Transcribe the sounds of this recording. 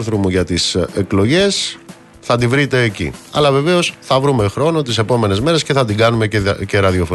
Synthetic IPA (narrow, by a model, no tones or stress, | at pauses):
ɾθɾomuʝɐt̪iseklo̞ʝe̞s | θɐd̪ivɾit̪e̞ːcḭɐ̰lɐve̞ve̞o̞sθɐvɾume̞xɾo̞no̞t̪ise̞po̞me̞ne̞zme̞ɾe̞sce̞θɐt̪iɡɐnume̞ce̞ɾɐðio̞fo